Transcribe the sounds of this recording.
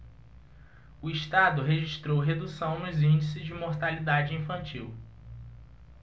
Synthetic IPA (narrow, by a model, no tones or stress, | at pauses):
ʊiʃt̪ad̪ʊɦeʒiʃt̪ɾowɦed̪usɐ̃w̃nʊzĩnd͡ʒisɪzd͡ʒɪmoɾt̪alid̪ad͡ʒɪĩfɐ̃nt͡ʃiw